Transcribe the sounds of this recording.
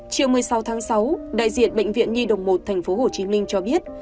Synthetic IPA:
t͡ɕi˨˩əwmɨ˨˩əjsa˨˦wt̪ʰaː˨˦ŋsa˨˦wɗa̰ː˧˨jzḭ˧˨ənɓḛ˧˨jŋ̟vḭ˧˨ənɲi˧ɗə˨˩wŋ͡mmo˨˩t̚t̪ʰɛ˨˩ŋ̟fo˨˦ɦo˨˩t͡ɕi˨˦mï˧ŋ̟t͡ɕɔ˧ɓi˦˥ət̚

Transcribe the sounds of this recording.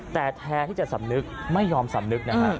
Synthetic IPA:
t̪ɛː˨˩t̪ʰɛː˧t̪ʰi˥˩t͡ɕa˨˩sa˩˦m̚nɨ˦˥k̚ma˥˩jːɔː˧msa˨˩˦m̚nɨ˦˥k̚na˦˥a˧˦˧

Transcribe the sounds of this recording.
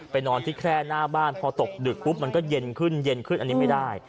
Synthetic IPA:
pa˧jnɔː˧nt̪ʰiː˥˩kʰɾɛː˥˩naː˥˩baː˥˩npʰɔː˧t̪o˨˩k̚dɯ˨˩k̚ʰːu˦˥p̚ma˧nkɔː˥˩je˧nkʰɯ˥˩nje˧nkʰɯ˥˩nʔa˧nːiː˦˥ma˥˩jdaː˥˩j

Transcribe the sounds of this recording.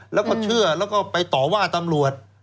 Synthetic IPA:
lɛː˦˥wkɔː˥˩t͡ɕʰɯ˥˩ɐlɛː˦˥wkɔː˥˩pa˧jt̪ɔː˨˩waː˥˩t̪a˧mɾu˨˩ət̪̚

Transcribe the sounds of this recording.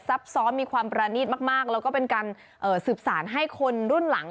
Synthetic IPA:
sa˦˥p̚sɔː˦˥miː˧kʰwaː˧mpɾaː˧niː˥˩t̪̚maː˥˩k̚maː˥˩k̚lɛ˦˥kɔː˥˩pe˧nkaː˧n | ʔɤː˨˩sɯː˨˩p̚saː˩˦nɦa˥˩jkʰo˧nɾu˥˩nla˨˩˦ŋ

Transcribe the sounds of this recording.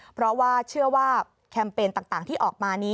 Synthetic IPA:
pʰɾɔ˦˥waː˥˩t͡ɕʰɯ˥˩əwaː˥˩ | kʰɛ˧mpeː˧nt̪aː˨˩ŋt̪aː˨˩ŋt̪ʰiː˥˩ʔɔː˨˩k̚maː˧niː˦˥

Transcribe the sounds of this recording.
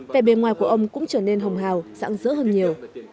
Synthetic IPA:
ve˨˩ɓe˨˩nŋwaː˨˩jku˧˩əʔə˧wŋ͡mkʊ̰˧˥ŋ͡mt͡ɕəː˧˩ne˧nɦə˨˩wŋ͡mɦaː˨˩wz̥a̰ː˧˥ŋzə̰˧˦˥həː˧nɲi˨˩əw

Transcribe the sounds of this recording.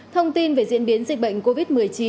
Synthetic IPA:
t̪ʰə˧wŋ͡mt̪i˧nve˨˩zḭ˧˥ənɓi˨˦ənzï˨˩k̟̚ɓə̰˧˨jŋ̟ko˧vi˦˥t̚mɨ˨˩əjt͡ɕi˨˦

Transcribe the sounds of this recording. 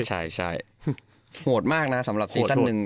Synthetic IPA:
t͡ɕʰa˥˩jt͡ɕʰa˥˩j | hu˨˩ət̪̚maː˥˩k̚na˦˥sa˩˦mɾa˨˩p̚siː˧sa˥nːɯ˨˧ŋ

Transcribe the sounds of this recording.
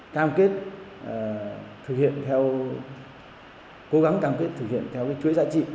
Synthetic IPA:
kaː˧mke˦˥t̚ː | t̪ʰɨ˨˩k̚hḭ˧˨ənt̪ʰɛ˧w | ko˨˦ɣa˨˦ŋkaː˧mke˦˥t̚t̪ʰɨ˨˩k̚hḭ˧˨ənt̪ʰɛ˧wkaː˨˦jt͡ɕwəjza̰ː˧˥t͡ɕḭ˧˨

